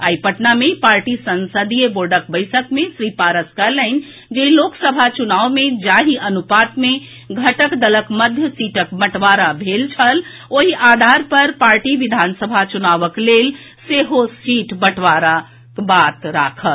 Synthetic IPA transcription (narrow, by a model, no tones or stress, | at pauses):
aipəʈnamepaɾʈisənsəd̪ijeboɾɖək̚bəɪsəkmesɾipaɾəskələn | d͡ʒeɦiloksəbʱat͡ʃunaʋmed͡ʒaɦiənupat̪me | ɡʱəʈəkd̪ələkməd̪ʱjəsiʈəkbəʈʋaɾabʱelt͡ʃʰəl | oɦiʔad̪ʱaɾpəɾpaɾʈiʋid̪ʱansəbʱat͡ʃunaʋəklel | seɦosiʈbəʈʰʋaɾa | kbat̪ɾakʰəl